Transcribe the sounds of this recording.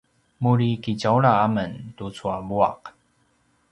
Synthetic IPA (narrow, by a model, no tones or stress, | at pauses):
mulikit͡ɕalaamənt̪ut͡sʰwabua̰k